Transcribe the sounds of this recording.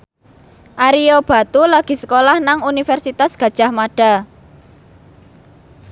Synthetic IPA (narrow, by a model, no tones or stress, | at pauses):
ʔaɾiob̥a̤t̪ulaɡ̥i̤sə̥kolahnaŋunifɛrsit̪asɡ̥a̤d̥ʒ̥a̤hmaɖ̥a̤